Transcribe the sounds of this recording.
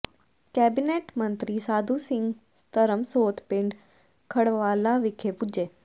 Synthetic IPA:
kɛːbineːʈmɐ̃nt̪ɾisaːd̪ʱusɪ̃ŋɡ | t̪ɐɾəmsoːt̪pɪ̃ɳɖ | kʰɐɽʋaːlaʋɪkʰepʊd͡ʑeː

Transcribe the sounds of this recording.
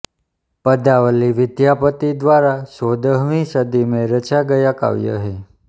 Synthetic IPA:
pəd̪aʋəliʋɪd̪japət̪id̪ʋaɾasod̪əɦʋĩsəd̪imẽɾət͡ʃaɡəjaka̰ʋjə̰ɦe

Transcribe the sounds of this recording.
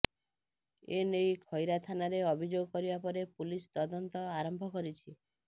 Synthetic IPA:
enejkʰɔjɾat̪ʰanaɾeɔbʱid͡ʒoɡɔkɔɾibapɔɾepulist̪ɔd̪ɔnt̪ɔaɾɔmbʱɔkɔɾit͡ʃʰi

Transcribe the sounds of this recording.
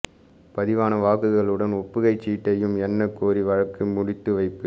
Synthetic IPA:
pɐðɪʋaːnɐʋaːkɯɣɐɭɯɽɐnɔpːɯɣɐɪt͡ʃːiːʈːɐjɯmɛnːɐkːoːɾiʋɐɻɐkːɯmʊɽɪt̪ːɯʋɐɪpːɯ

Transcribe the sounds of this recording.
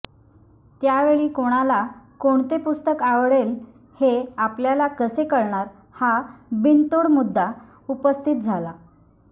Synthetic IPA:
t̪jaʋeɭiːkoɽ̃alakoɳt̪epust̪əkaʋɽel | heapljalakəsekəɽɳaɾ | habint̪oɽmud̪ːa | upəst̪ʰit̪̚d͡zʱala

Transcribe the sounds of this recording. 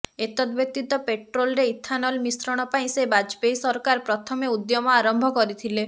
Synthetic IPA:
et̪ɔd̪bjɔk̚t̪it̪ɔpeʈɾolɾeit̪ʰːanɔlmisɾɔɽ̃ɔpaĩsebad͡ʒpejsɔɾkaɾpɾɔt̪ʰɔmeud̪jɔmɔaɾɔmbʱɔkɔɾit̪ʰile

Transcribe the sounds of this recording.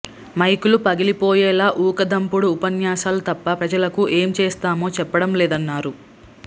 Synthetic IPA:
mɐjkulupɐɡilipoːjɛːlaːʔuːkɐd̪ɐmpuɽuːpɐnjaːsaːlut̪ɐpːɐpɾɐd͡ʒɐlɐkuʔe̞ːmt͡ʃeːst̪aːmo̞ːt͡ʃɛpːɐɽɐmlɛːd̪ɐnːaːɾu

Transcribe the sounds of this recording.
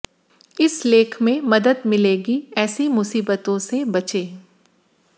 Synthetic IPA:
ɪsleːkʰmẽmɐd̪əd̪mɪleːɡiɛːsimʊsiːbət̪õsebɐt͡ʃeː

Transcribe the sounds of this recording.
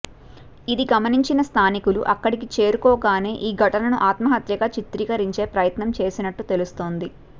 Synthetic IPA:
id̪iɡɐmɐniɲt͡ʃinɐst̪ʰaːnikulṵʔɐkːɐɽikit͡ʃe̞ːɾukɔːɡaːne̞ːʔiːɡʱɐʈɐnɐnuʔaːt̪mɐɦɐt̪jɐɡaːt͡ʃit̪ɾiːkɐɾiɲt͡ʃe̞ːpɾɐjɐt̪nɐmt͡ʃe̞ːsinɐʈːut̪e̞lust̪o̞ːnd̪i

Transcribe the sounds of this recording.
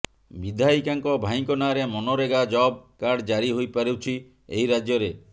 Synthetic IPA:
bid̪ʱaikaŋkɔbʱaĩŋkɔnaɾemɔnoɾeɡad͡ʒɔb̚kaɽd͡ʒaɾiɦojpaɾewt͡ʃʰi | eiɾad͡ʒjɔɾe

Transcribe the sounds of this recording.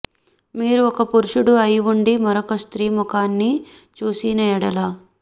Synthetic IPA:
miːɾuɔkɐpuɾuʂuɽuɐjʋuɳɖimɐɾokɐst̪ɾiːmukaːnːi | t͡ʃuːsinɐjɐɽɐlaː

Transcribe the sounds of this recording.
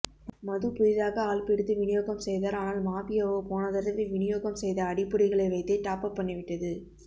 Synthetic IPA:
mɐðɯpʊɪðaːɣɐaːɭpɛɽɯt̪ːɯʋɪnɪjoːɣɐmsɛjðaːɾaːnaːlmaːpɪjɐʋopoːnɐðɐɾʋɯʋɪɳɪjoːɣɐmsɛjðɐːɽɪpːɯɽɪɣɐɭɐɪʋɐɪt̪ːɐʈːaːpɐpːɐɳːɪʋɪʈːɐðɯ

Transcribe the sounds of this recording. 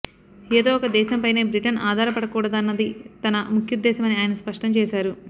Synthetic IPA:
eːd̪o̞ːɔkɐd̪ɛːʃɐmpɐjne̞ːbɾiʈɐnʔaːd̪ʱaːɾɐpɐɽɐkuːɽɐd̪ɐnːɐd̪it̪ɐnɐmukʰjud̪ːɛːʃɐmɐniaːjɐnɐspɐʂʈɐmt͡ʃɛːʃaːɾu

